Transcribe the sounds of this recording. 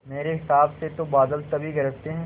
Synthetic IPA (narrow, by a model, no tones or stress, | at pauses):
meːɾeɦɪsaːbset̪obaːd̪əlt̪ɐbʱiɡɐɾəkt̪eɦɛ̃ː